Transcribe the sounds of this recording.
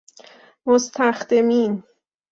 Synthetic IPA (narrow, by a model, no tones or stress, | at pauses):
most̪ʰæxd̪emiːn